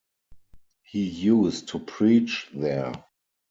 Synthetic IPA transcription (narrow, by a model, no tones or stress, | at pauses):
hiːjuːstʰːupʰɹiːt͡ʃðɛ